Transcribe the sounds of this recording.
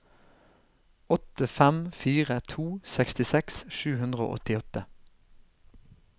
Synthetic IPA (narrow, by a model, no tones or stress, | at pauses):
ɔt̪əfɛmfiːʁət̪ʰuːsɛkst̪ɪsɛksʃʉːhʉnd̪ʁəo̰ːʔɔ̰t̪ɪɔt̪ə